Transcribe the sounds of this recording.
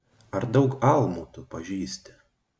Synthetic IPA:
ɐɾd̪ɐʊkɐlˠmuːt̪ʊpɐʒʲiːsʲt̪ʲɪ̥

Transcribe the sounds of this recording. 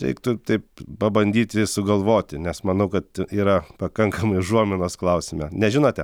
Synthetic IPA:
ʃʲɛ̰ɪkt̪ʊt̪ɐɪp̚pɐbɐnʲd̪ʲiːt̪ʲɪsʊɡɐlˠʋoːt̪ʲɪnʲɛsmɐnɐʊkɐt̪iːɾɐpɐkɐŋkɐmɐɪʒuɔmʲɪnoːsklˠɐʊsʲɪmʲɛnʲɛʒʲɪnoːt̪ʲɛ

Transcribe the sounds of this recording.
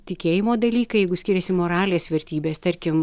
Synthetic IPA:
t̪ʲɪkʲeːjɪmoːd̪ɐlʲiːkɐjɛɪɡʊsʲkʲɪɾʲɛsʲɪmoːɾɑːlʲeːsʋʲɛɾʲt̪ʲiːbʲeːst̪ɐɾʲkʲɪm

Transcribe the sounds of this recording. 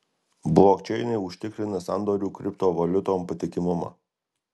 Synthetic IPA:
blˠoːkt͡ʃʲɛɪnʲɛɪʊʃʲt̪ʲɪkɾʲɪnɐsɑnd̪oːɾʲuːkɾʲɪp̚t̪oːʋɐlʲʊt̪oːmpɐt̪ʲɪkʲɪmʊmɐ̰

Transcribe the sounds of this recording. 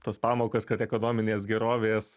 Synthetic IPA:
t̪oːspɑːmoːkoːskɐt̪ɛkoːnoːmʲɪnʲeːsɡʲɛɾoːʋʲeːs

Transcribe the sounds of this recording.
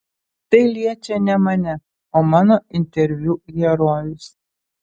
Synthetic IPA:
t̪ɐɪlʲiɛt͡ʃʲɛnʲɛmɐnʲɛ | oːmɑːnoːɪnʲt̪ʲɛɾʲʋʲjuɡʲɛɾoːjʲʊs

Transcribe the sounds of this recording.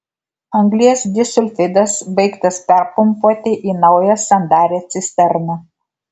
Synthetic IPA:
ɐŋɡlʲiɛsd̪ʲɪsʊlʲfʲɪd̪ɐsbɐɪkt̪ɐspʲɛɾpʊmpuɔt̪ʲɪʔiːnɐʊjɛsʲɐnd̪ɑːɾʲeːt̪sʲɪsʲt̪ʲɛɾʲnʲɛ

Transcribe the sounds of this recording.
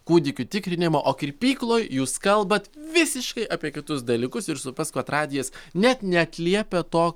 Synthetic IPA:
kuːd̪ʲɪkʲʊt̪ʲɪkɾʲɪnʲɪmoːʔoːkʲɾʲpʲiːklˠoːjjuːskɐlˠbɐt̪ʋʲɪsʲɪʃkɐɪʔɐpʲiɛkʲɪt̪ʊsd̪ɐlʲiːkʊsɪɾsʊpɐskʋɐt̪ɾɑːd̪ʲɪjɛsnʲɛt̪nʲɛɐt̪ʲlʲiɛpʲɛt̪oː

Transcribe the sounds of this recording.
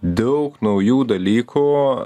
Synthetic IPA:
d̪ɐʊknɐʊjuːd̪ɐlʲiːkʰuː

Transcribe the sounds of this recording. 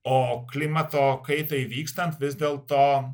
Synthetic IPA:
ɔklimat̪ɔkejt̪ɔivikst̪ant̪vɪzd̪ɛlˠt̪ɔ

